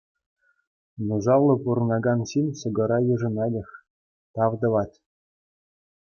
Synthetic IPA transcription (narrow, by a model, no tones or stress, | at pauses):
nuʐɑʋlˠɤ̆puɾɤ̆nɑɡɑnɕinʲsɤ̆ɡɤ̆ɾɑjɤ̆ʐɤ̆nɑlʲɘ̆xʲ | t̪ɑvd̪ɤ̆ʋɑtʲ